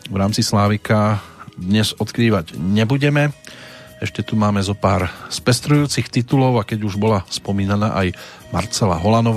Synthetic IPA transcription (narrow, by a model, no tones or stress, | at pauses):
ʋɾaːmt͡sislaːʋikad̪ɲɛzɔt̪kɾiːʋaɟɲɛbuɟɛmɛ | ɛʃcɛt̪umaːmɛzɔpaːɾspɛst̪ɾujuːt͡sixt̪it̪ulɔʊakɛɟuʒbɔlaspɔmiːnana̰ːʔaj | ma̰ɾt͡sɛla̰ɦɔlanɔʋ